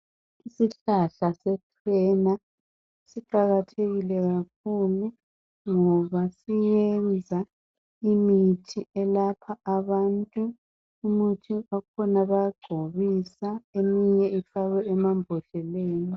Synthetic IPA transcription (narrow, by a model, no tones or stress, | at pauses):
isiɬaɬasɛtʰwɛna | siǃaɣatʰeɣilɛɣak̚ʰulu | ŋɔβasijɛnd͡zʱa | imitʰiɛlapʰaːβantʼuː | mutʰiakʰɔnaβajaɡ͡ǀʱoβisaemiɲɛifaɣɛːmambʱɔɬɛleːni